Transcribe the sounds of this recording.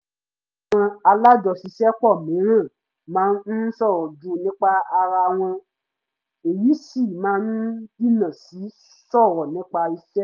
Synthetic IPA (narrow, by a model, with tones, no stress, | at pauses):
a˨w̃ɔ̃˧a˧la˦d͡ʒɔ˨si˧˦ʃɛ˦k͡pɔ˦˨mĩ˨˦ɾ̃ã˦˨ | mãː˨˦n˦sɔ˦˨wɔ˨d͡ʒu˧˦nĩ˦k͡pa˧a˧ɾa˧w̃ɔ̃˧ | e˨ji˨˦si˦˨mãː˨˦n˦i˦nã˨si˨˦ | sɔ˦˨wɔ˨nĩ˨˦k͡pa˧i˧ʃɛ˦